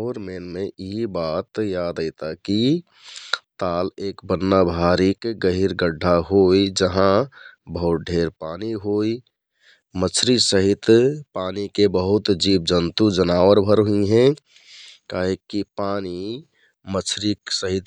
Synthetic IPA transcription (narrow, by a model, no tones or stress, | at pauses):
oɾmenmẽiɦibat̪jad̪əɪt̪aki | t̪aːleːkbənːabʱaɾikɡəɦiɾɡəɖʱːaɦoid͡ʒəɦãbəɦut̪̚ɖʱeɾpaːniɦoi | mət͡ʃʰɾisəɦit̪paːnikebəɦʊt̪d͡ʒiːb̚d͡ʒənt̪ud͡ʒənaːʋəɾbʱəɾɦuiɦɛ̃ | kaːɦekːipaːni | mət͡ʃʰɾiksəɦit̪